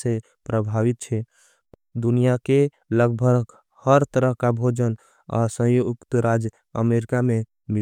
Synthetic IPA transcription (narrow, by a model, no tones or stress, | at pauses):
se | pɾəbʱaʋit̪̚t͡ʃʰɛ | d̪unijake | ləɡbʱəɡ | həɾt̪əɾəɦkabʱod͡ʒən | a̰sə̃jokt̪əɾad͡ʒ | ə̰meɾikame | mi